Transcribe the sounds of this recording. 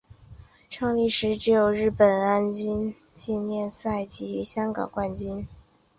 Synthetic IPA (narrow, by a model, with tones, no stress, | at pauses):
ʈ͡ʂʰɤ˥˧ŋli˥˩ʂɻ̩˧˥ʈ͡ʂɻ̩˧˥jo˨˩ʊɻɻ̩˥˩pə˨˩na˥nt͡ɕy˥n | t͡ɕi˥˧nnjɛ˥˧nsa˥˩ɪt͡ɕi˧˥ɕjɑ˥ŋkɑ̰˨˩ŋkwa˥˧nt͡ɕy˥n